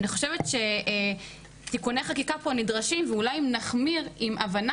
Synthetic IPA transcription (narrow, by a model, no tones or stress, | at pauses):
niχo̞ʃevetʃe̞ | tikunejχakikaponidʁaʃimveulajimnaχmiʁimʔavan